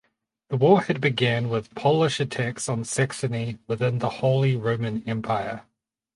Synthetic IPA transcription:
ðəwɔːhɨd̚bɨɡæ̃nwɪð̥pʰɒlˠɪʃɨtʰæksn̩sɛksɨniwɪðɪ̃nðəhəʊlˠiɹə̃ʊ̃mɨ̃nɛ̃mpʰaɪə

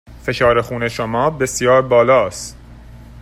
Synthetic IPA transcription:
fe̞ʃɒːɾe̞xuːneʃomɒːbe̞sjɒːɾbɒːlɒːst̪

